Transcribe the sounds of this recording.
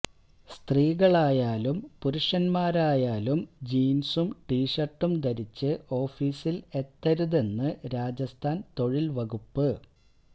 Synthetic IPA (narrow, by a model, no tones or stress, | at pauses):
st̪riːɣɐɭaːjaːlumpuɾuʂɐnmaːɾaːjaːlumd͡ʑiːnsumʈiːʂɐrʈːumd̪ɐɾit͡ɕːɨʔo̞ːfiːsile̞t̪ːɐɾuðe̞nːɨɾaːd͡ʑɐst̪ʰaːnt̪o̞ɻilʋɐɣupːɨ